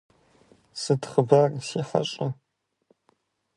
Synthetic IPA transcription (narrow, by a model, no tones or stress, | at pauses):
sɨtχəbɐrseːħɐ̰ɕʼɪ